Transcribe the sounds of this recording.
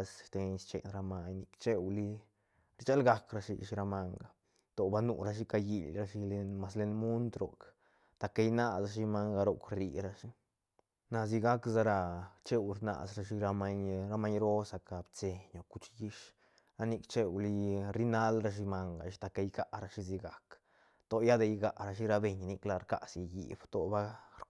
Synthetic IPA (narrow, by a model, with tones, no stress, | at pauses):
sʃt̪e˧ɲst͡ʃḛ˨nɾa˧ma˧ɲni˧kt͡ʃe˦wli˦ | ɾt͡ʃa˦lɡa˧kɾa˧ʃḭ˧ʃi˧ɾa˧ma˧ŋɡa˨ | t̪o˨ba˧nṵ˨ɾa˧ʃ̬i˦ka˧ji˧˨lɾa˧ʃi˧le˧nma˧sle˧nmu˦nt̪ɾo̰˨k | t̪a˨ka˧jna˦sa˧ʃi˧ma˧ŋɡa˧ɾo˨kɾi˧˨ɾa˧ʃi˦ | na˧z̬i˧ɡa˦kza˦˧ɾa˧t͡ʃe˦wɾna̰˨sɾa˧ʃi˦ɾa˧ma˧ɲɾa˧ma˦ɲɾo˦sa˨ka˨bt͡se˧ɲo˨ku˧t͡ʃji˦ʃ | ɾa˧ni˧kt͡ʃe˦˧wli˦˧ɾi˦na˦lɾa˧ʃ̬i˧ma˧ŋɡa̰˨ʃi̥˦t̪a˧ka˧jɡa˨ɾa˧ʃi˦zi˧ɡa˨k | t̪o˨ja˦d̪e˧jɡa˨ɾa˧ʃ̬i˦ɾa˧be˨ɲni˧kla˧ɾka̰˨sja˨jḭ˨b̥t̪o˨ba˦ɾ